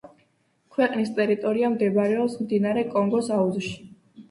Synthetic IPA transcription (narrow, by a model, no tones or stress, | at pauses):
kʰwɛqʼnist̪ʼɛɾit̪ʼɔɾiamd̪ɛbaɾɛɔpsmd̪inaɾɛkʼɔŋɡɔsauzʃi̥